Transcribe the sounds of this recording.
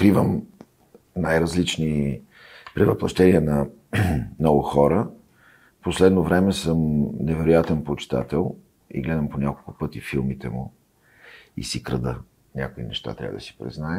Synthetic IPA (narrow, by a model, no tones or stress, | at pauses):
kɾivəm | najɾɐzlit͡ʃni | pɾivɐplˠɐ̰ʃt̪ɛniɛnɐ | nɔɡʊxɔɾə | poslɛd̪novɾɛmɛsɤmnɛvɛɾojat̪ɛnpot͡ʃɪ̥t̪a̰t̪ɛlˠ | ḭɡlɛd̪əmponʲakolˠkʊpɤt̪ifilˠmit̪ɛmʊ̰ | ḭsikɾɐd̪ə | nʲa̰koinɛʃt̪a̰t̪ɾʲa̰vəd̪əsi̥pɾḭznaɛ